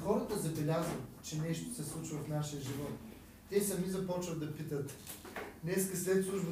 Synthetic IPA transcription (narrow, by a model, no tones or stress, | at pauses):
xɔɾət̪əzɐbɛlʲazət̪t͡ʃɛnɛʃt̪o̥sɛslˠut͡ʃivɐfnaʃijəʒivɔt̪ː | ɛsɐmizɐpɔt͡ʃvəd̪d̪ɐpit̪ət̪ | nɛskəslɛt̪sˠuʃn